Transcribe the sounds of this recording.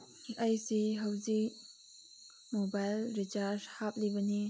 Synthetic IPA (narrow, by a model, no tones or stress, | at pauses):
ɐjsiɦɐwzi | mobajlɾit͡ʃaɾshap̚libɐni